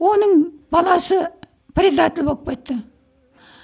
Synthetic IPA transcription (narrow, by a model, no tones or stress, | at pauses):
wo̞nəɴbɑlˠɑsə | pɾʲed̪at̪ʲɪlʲbo̞lˠəpkʲe̞t̪ːə